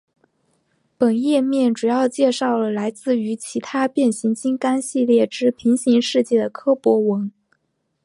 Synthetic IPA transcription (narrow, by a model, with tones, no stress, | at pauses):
pə˨˩njɛ˥˧mjɛ˥˩nʈ͡ʂu˨˩jɑ˥˧ʊt͡ɕjɛ˥˧ʂɑ˥˩ʊlə˩la˧˥ɪt͡sɹ̩˥˩y˧˥t͡ɕʰi˧˥t̪ʰa˥pjɛ˥˩nɕi˧˥ŋt͡ɕi˥ŋka˥nɕi˥˧ljɛ˥˩ʈ͡ʂɻ̩˥pʰi˧˥ŋɕi˧˥ŋʂɻ̩˥˧t͡ɕjɛ˥˩d̪ə˩kʰɤ˥pwɔ˧˥wə˧˥n